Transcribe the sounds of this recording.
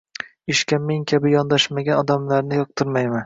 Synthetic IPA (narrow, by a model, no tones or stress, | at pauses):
ɪʃkʲameŋkʲʰabɪjɒnd̪aʃmaɡʲanɒd̪amlaɾnɪjɒq̚t̪ʰɪɾmajman